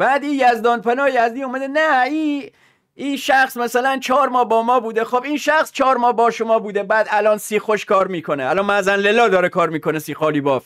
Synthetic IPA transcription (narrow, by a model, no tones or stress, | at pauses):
b̥æːd̪iːjæzd̪ɒːnpʰænɒːjæzd̪iːomæd̪enæiː | iːʃæxsmæsælænt͡ʃʰɒːɾmɒːhbɒːmɒːbuːd̪exobiːnʃæxst͡ʃʰɒːɾmɒːhbɒːʃomɒːbuːd̪ebæːd̪ælɒːnsiːxoʃkʰɒːɾmiːkʰoneʔælɒːnmæzænlelɒːd̪ɒːɾekʰɒːɾmiːkʰonesiːxɒːliːbɒːf